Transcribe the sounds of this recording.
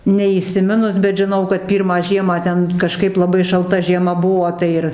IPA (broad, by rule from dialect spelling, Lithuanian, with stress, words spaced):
nʲɛiːsʲɪˈmʲɪnʊs bʲɛt ʒʲɪˈnɐʊ kɐt ˈpʲiːrmɑː ˈʒʲiɛmɑː ˈtʲɛn kɐˈʃkɐɪp lˠɐˈbɐɪ ʃɐlˠˈtɐ ʒʲiɛˈmɐ ˈbuɔ ˈtɐɪ ɪr